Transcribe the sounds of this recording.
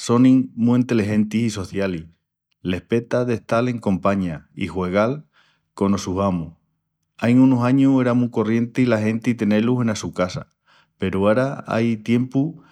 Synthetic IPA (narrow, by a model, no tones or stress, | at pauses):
so̞nĩŋmuint̪eliɦe̞nt̪isiso̞θjali | le̞hpe̞t̪aðe̞ht̪ale̞ŋkõ̞mpaɲaihwe̞ɣal | ko̞nosuɦamu | ajŋunosaɲue̞ɾamuko̞rje̞nt̪eilaɦe̞nt̪it̪e̞neluɦe̞nasukasa̰ | pe̞ɾuaɾaa̰jt̪je̞mpu